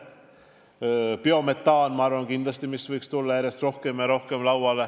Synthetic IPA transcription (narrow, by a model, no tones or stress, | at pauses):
peomet̪ːˑɑːnmɑɑɾvɑŋkind̪lɑst̪imisvɤjkst̪ulːɑjæɾjest̪ro̞hkemɑɾo̞hkemlɑwɑle